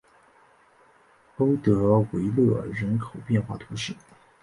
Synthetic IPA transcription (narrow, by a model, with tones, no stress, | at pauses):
o˥ʊt̪ɤ˧˥we˧˥ɪlɤ˥˩ɻə˧˥nkʰo˨˩ʊpjɛ˥˧nxwa̰˥˩t̪ʰu˧˥ɕḭ˨˩˦